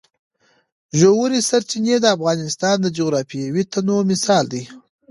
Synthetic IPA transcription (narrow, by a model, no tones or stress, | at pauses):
ʒowuɾisaɾt͡ʃined̪əafɣɑnɪst̪ɑnd̪əd͡ʒoɣɾɑfijawit̪anomɪsɑld̪ij